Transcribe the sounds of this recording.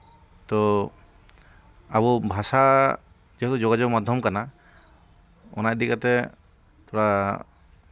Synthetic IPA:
t̪ɔ | abubʱasa | d͡ʒiɔt̪ɔd͡ʒɔɡad͡ʒɔmad̪ʱjɔmkana | ɔ̰najd̪ikat̪ɛ | t̪ʰɔɾa

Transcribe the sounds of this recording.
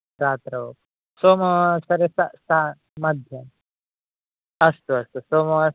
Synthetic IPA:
ɾaːt̪ɾɐo | soːmɐsɐɾesasa | mɐd̪ʱjɐm | ɐst̪uɐst̪usoːmɐ

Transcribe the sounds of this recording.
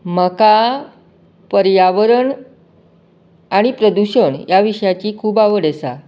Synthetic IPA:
məka | pəɾjaʋəɾəɳ | aɽ̃ipɾəd̪uɕəɳjaʋiɕəjat͡ɕiːkʰuːbaʋəɽasa̰

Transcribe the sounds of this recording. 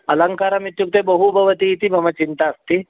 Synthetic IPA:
ələŋkaɾamit̪juk̚t̪ebəɦubʱəʋət̪iːt̪iməmət͡ɕint̪aːst̪i

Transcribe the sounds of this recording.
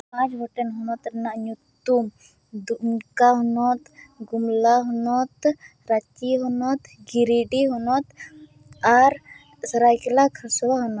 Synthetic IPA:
pãd͡ʒbɔʈenɦɔnɔt̪ɾnaʔɲut̪ːum | d̪unkaɦɔnɔt̪ɡumlaɦɔnɔt̪ | ɾat͡ʃiɦɔnɔt̪ɡiɾiɖiɦɔnɔt̪ | aɾ | səɾajkilakʰɐɾsulaɦɔnɔ

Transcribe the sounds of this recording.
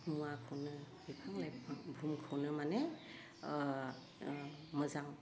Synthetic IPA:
muwakʰɯwnɯ | bipʰaŋlajʰbʱumkʰɯwnɯmane | mɯzaŋ

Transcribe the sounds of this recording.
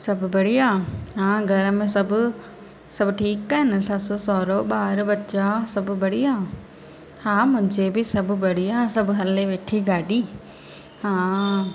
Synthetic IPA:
sɐbbɐɽijaːɦãːɡʱɐɾəmẽsɐbʊ | sɐbʈʰiːkːɐɦɪnɪsɐt̪sosɔːɾoɓaːɾbɐtːt͡ʃasɐbbɐɽiaː | hãːmʊ̃ɦɪ̃ɲd͡ʒd͡ʑebɪsɐbʱbɐɽiaːsɐbɦɐleʋeːʈʰiɡaːɖiː | hãː

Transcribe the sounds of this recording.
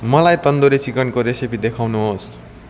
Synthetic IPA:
mʌlajt̪ʌnd̪oɾit͡sikʌnkoɾesepid̪ekʰawnuɦos

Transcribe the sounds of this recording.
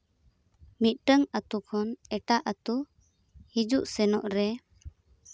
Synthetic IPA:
mit̪̚ˀʈəŋət̪ukʰɔnɛʈaʔət̪u | hid͡ʒuʔsɛnɔʔɾɛ

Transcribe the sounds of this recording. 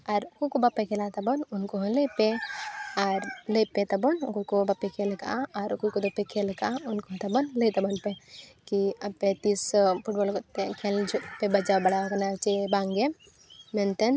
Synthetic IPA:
ɐɾkokobapːekʰelat̪ɐbɔnʊnkoɦlepe | aɾlepet̪ɐbɔnkokobɐpːekʰelka̰aːɾkokod̪opːekʰelkaʊnkot̪ɐbɔnlet̪ɐbɔnpekiɐpːet̪ispʰuʈ̚bolkot̪ekʰeld͡ʒpebɐd͡ʒawbɐɽaokɐnat͡ʃebaːŋɡe | ment̪ɐn

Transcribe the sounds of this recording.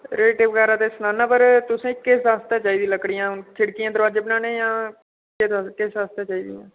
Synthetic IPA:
ɾɛleːʈɪʋkɛːɾaːt̪esnaːnːaːpəɾt̪ʊsẽːkɪsaːst̪ãːt͡ʃaːiːd̪ĩləkɽijãːt͡ʃʰɪɽkijãːd̪əɾʋaːd͡ʒeːbɪnaːnẽːjãː | kɪskɪsaːst̪ãːt͡ʃaːiːd̪ijãː

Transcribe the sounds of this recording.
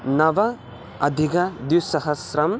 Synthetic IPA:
nɐʋɐ | ɐd̪ʱikɐd̪usɐɦɐsɾɐm

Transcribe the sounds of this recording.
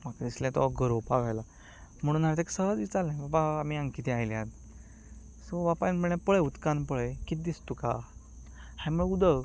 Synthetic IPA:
m̤akad̪islɛ̃t̪ɔɡəɾopaɡajla | m̤əɽũːnaɾt̪aksəɭad̪it͡salɛ̃bapaːm̤iãŋkit̪iajljad̪ | sobapanpəɭãpəɭeut̪kanpəɭəjkit̪̚d̪ist̪uka | hãm̤uɭud̪ə

